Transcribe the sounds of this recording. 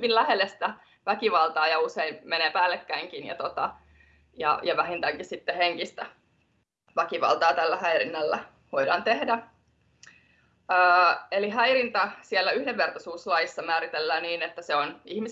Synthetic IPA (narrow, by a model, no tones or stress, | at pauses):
illæhelːest̪æ | ʋækiʋɑlt̪ɑːjɑuseinmeneːpæːlːekːæiŋkinjɑ̰t̪ot̪ɑ̰ | jɑ̰jɑʋæhint̪æŋkissit̪ːeheŋkist̪æ | ʋækiʋɑ̰lt̪ɑːt̪ælːæhæirinːɑlːæ | ʋoidɑːnt̪ehdæ | əːelihæirint̪ɑsielːæyhdeʋːert̪ɑsuːslɑjisːɑmæːɾit̪elːæːniːnet̪ːæseonihmis